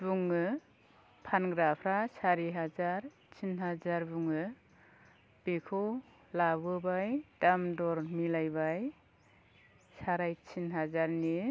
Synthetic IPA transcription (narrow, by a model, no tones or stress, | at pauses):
buŋɯ | pʰanɡɾapʰɾasaɾiɦazaɾ | t͡ʃʰinɦazaɾbuŋɯ | b̥ekʰɔ | labɯbajdamdɔɾmilajbaj | saɾajt͡ʃʰinɦazaɾni